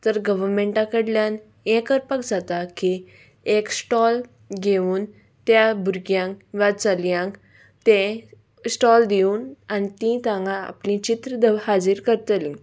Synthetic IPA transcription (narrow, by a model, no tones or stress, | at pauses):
t̪əɾɡəʋəɾmeʈãkəɽljan | ẽkəɾpəkd͡zat̪aki | eksʈɔl | ɡeuːn | t̪jabʱuɾɡjãkʋat͡saljãŋk | t̪ẽ | sʈɔld̪iuːnanit̪ĩt̪ãŋɡaa̰plĩt͡ɕit̪ɾəd̪əhad͡ziɾkəɾt̪əlĩ